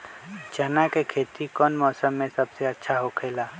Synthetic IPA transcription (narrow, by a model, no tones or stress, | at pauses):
d͡ʒɐnakekʰeːt̪ikɔːnmɔːsəmːẽsɐbseɐtːʃʰaɦokʰeːlaː